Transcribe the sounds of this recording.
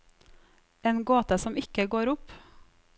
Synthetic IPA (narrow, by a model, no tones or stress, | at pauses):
eːnɡoːt̪əsɔmɪkəɡoːɾʊp